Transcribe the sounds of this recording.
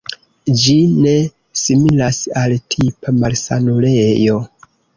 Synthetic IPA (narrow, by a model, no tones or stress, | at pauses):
d͡ʒine̞ | similasaltʰipamalsa̰nulejo̞